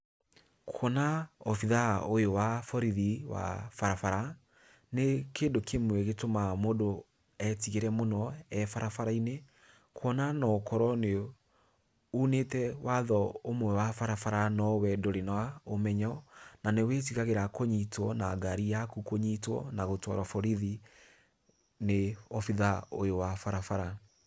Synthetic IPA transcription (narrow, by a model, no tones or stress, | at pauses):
kʰɔnaɔfiðaojowafɔɾiðiwa̰faɾafaɾa | nekeːndokʰemwɛɣetomamodo | ɛtiɣeɾɛmonɔɛfaɾafaɾaine | kʰwɔnanɔkɔɾɔne | unetɛwaðɔomwɛwafaɾafaɾanɔwɛdoɾenawaomɛɲɔnanewetiɣaɣeɾakoɲitwɔnaɡaɾijakukoɲitwɔ̰naɣotwɔ̰ɾɔfɔɾiði | neɔfiðao̰jowafaɾafaɾa